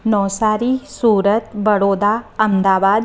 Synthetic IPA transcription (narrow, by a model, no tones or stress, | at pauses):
nɔːsaːɾisuːɾət̪bəɽoːd̪aːɐmd̪aːʋaːd̪